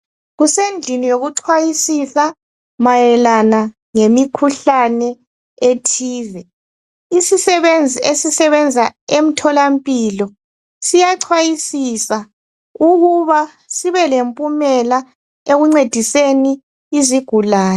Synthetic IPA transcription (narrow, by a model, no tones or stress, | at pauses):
ɣusend͡ɮʱinijoɣuǀʰwajisisa | majɛlana | ŋemikʰuɬanɛ | etʰiːvɛ | isisɛβend͡zʱiesisɛβɛnd͡zʱaem̩tʰɔlampʼilɔ | sijaǀʰwajisisa | uɣuβa | siβɛlempʼumɛla | eɣuŋ͡ǀed̥ʱiseniː | ziɡ̥ʱulaːjɔ